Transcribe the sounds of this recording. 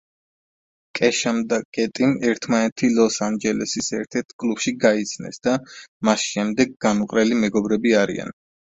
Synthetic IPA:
kʼɛʃamd̪akʼɛt̪ʼimɛɾt̪ʰmanɛt̪ʰilɔsand͡ʒɛlɛsisɛɾt̪ʰɛɾt̪ʰkʼlupʃiɡait̪sʰnɛ̰sd̪̥amasʃɛmd̪ɛɡ̚ɡanuqʼɾɛlimɛɡɔbɾɛbiaɾḭa̰n

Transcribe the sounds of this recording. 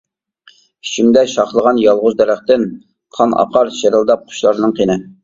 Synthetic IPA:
y̥t͡ʃʰimd̪ɛʃɑχlˠəʁɑnjɑlˠʁʊzd̪ɛɾæχt̪ɪn | qʰɑnʔɑ̰qʰɑɾʃeɾɨlˠd̪ɑp̚qʰʊ̥ʃlˠɑɾnɨɴqʰenɪ

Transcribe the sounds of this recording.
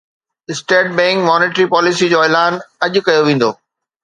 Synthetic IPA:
ɪsʈeːʈ̚bɛ̃ːŋkmɔːneːʈɾipɔːlɪsid͡ʑoːɛːlaːnɐʄʊkɐjoʋẽːn̆d̪oː

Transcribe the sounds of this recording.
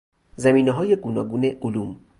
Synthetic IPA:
zæmiːneɦɒːjeɡunɒːɡuːneʔulum

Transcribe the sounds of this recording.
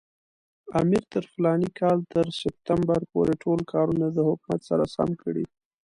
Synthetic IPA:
a̰miɾt̪əɾflɑnikʰɑlt̪əɾsɪp̚t̪ambaɾpo̰ɾeʈʰolkʰɑɾunad̪əhʊkmat̪saɾasa̰mkʰəɽḭ

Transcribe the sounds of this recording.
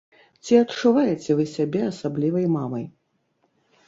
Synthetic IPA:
t͡sʲiɐt̪t͡ʂːuvajɛt͡sʲɛvɨsʲabʲɛasablʲivɐjmamɐj

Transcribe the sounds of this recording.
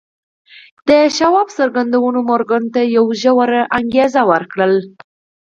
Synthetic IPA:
d̪̥əʃawɑbsəɾɡand̪awənomoɾɡant̪ajawʒəwaɾʔaŋɡezawəɾkɽəl

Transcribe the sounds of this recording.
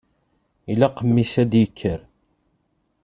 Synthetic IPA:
ilæqəmːisæd̪jəkʰːəɾ

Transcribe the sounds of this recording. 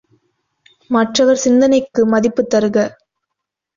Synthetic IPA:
mɐʈrɐʋɐɾsɪnd̪ɐnɐɪkːɯmɐðɪpːɯt̪ːɐɾɯɣɐ

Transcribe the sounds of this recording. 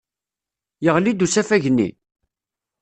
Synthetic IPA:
jəʁlid̪usæfæʝnːḭ

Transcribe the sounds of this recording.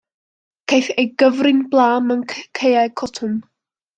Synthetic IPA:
kʰejθejɡəvrɪnblˠaːmənʰkʰejajkʰɔtʰʊm

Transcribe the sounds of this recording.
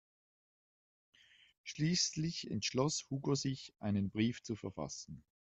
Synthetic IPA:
ʃliːslɪçɛ̰ntʃlɔshuːɡozɪçʔaɪnənbʁiːft͡sufɛɐfa̰sn̩

